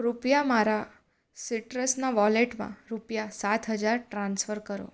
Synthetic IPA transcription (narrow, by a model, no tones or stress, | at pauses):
ɾupjamaɾa | siʈɾəsnaʋɔleʈmã̰ɾupjasat̪ʰɦəd͡ʒaɾʈɾãnsfəɾkəɾo̰